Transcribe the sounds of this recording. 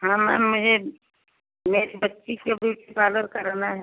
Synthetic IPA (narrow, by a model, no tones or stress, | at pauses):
ɦãːmɛ̰mʊd͡ʒʱe | meːɾbətːʃikebuʈipaːləɾkɐɾnaɦɛ